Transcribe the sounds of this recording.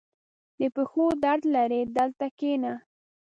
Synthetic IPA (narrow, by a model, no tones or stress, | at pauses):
d̪əpəxod̪aɾd̪laɾed̪əlt̪akena